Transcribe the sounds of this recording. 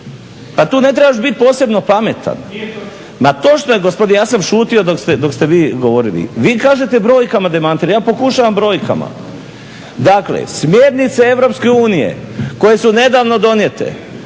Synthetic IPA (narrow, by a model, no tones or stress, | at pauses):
pat̪uːne̞t̪̬ɾebaʃ̬bit̪̚po̞ːse̞bno̞pame̞t̪ʰa̰n | mat̪o̞t͡ʃnojeɡospod̪inejaːsamʃuːt̪io̞d̪okst̪ed̪o̞kst̪eʋiːɡo̞ʋo̞ɾilḭʋiːkaːʒe̞t̪ebɾo̞ːjkamad̪emant̪iɾajaːpo̞kuʃaʋambɾo̞ːjka̰ma̰ | d̪aklḛsmjeːɾnit̪see̞ʋɾo̞pske̞uːnijḛ | ko̞je̞sune̞d̪aːʋno̞d̪o̞njet̪ḛ